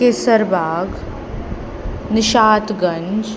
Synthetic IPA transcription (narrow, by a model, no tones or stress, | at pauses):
kesəɾbʱaːɡ | nɪʃaːt̪ɡɐ̃ɲd͡ʒ